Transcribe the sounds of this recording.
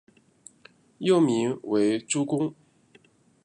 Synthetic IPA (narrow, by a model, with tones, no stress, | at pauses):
jo˥˩ʊmi˧˥ŋwe˧˥ɪʈ͡ʂu˥kʊ˥ŋ